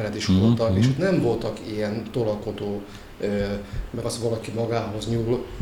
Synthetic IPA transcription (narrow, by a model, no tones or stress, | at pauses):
lɛt̪iʃʋolt̪ɒkeːʃot̪nɛmvo̞lt̪ɒkijɛnt̪olɒko̞d̪oː | ømɛɾɒsʋɒlɒkimɒɡaːɦo̞zɲuːl